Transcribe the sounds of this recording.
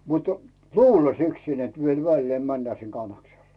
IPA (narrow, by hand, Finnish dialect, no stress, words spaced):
mutu̥ luːlːɑsiksin nĕt ʋiel ʋælːeː mænːæː sin kɑnːɑkselːɑ̥